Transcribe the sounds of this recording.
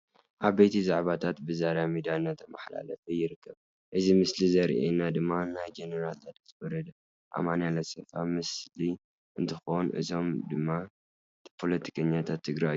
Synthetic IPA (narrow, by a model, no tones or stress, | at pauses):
ʔaβbet̪ʰizaʕβat̪ʰat̪bɨzaɾamid̪ianːat̪ʰːɐmaħla̰lɐfɐjɪɾɨkʰːɐβ | ʔɨzimɨslizɐɾʔḛnad̪ɨmːanajd͡ʒenɐɾalt̪ʰat̪t̪wɔɾɐd̪ | ʔa̰manalɐsɐfamɨsli | ʔɨnt̪ʰɨxonʔɨ̰t̪ʰo̞md̪ɨmːa | pʰo̞lɐt̪ʰi̥kʰɐɲːat̪ʰat̪ʰːɨɡɾajju